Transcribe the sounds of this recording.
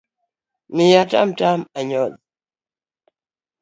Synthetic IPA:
mijata̰mtamaɲɔd

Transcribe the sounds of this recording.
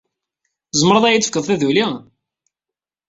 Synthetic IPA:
zˤəmːɾˤəðˤæjit͡s̪ːəfə̥kːəðˤθæðuli

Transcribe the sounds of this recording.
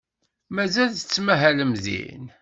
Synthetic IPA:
mæzælθət͡sːmæɦæləmðḭn

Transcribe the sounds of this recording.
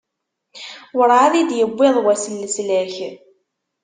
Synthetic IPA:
wəɾaðid̪jəbʷːɪðˤwæsəlːəslæç

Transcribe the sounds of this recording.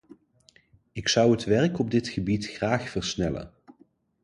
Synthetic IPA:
ɪksʌwətʋɛɹkɔb̚dɪtχəbitχraːχfərɹsnɛlə̰n

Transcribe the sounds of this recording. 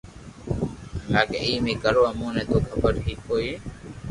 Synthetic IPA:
aːkḛiːmĩːkəɾoːamũːnẽːt̪oːkʰəpəɾɦiːkɦoːiː

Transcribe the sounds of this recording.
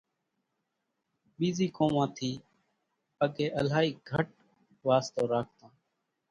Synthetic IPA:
ɓiːziːkõːmãːt̪ʰiː | əɡeːʔəlaːiːɡʱəʈ̚ | ʋaːst̪oːɾaːkʰt̪ãː

